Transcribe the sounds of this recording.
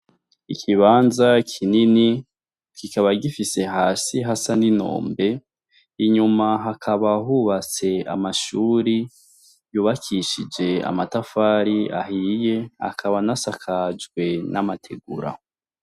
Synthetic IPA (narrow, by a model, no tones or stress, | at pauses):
ikʰiβaːnzakʰinini | kikaβaɡifise̞ɦaːsiɦasanino̞̰ːmbe̞ | iɲumaɦakʰaβaɦuβat͡se̞a̰maʃuːɾi | juːβakʰiʃid͡ʒe̞a̰matafaːɾia̰ɦije̞ha̰kʰaβanasakʰad͡ʒɡwe̞namatʰe̞̰ɡuɾa̰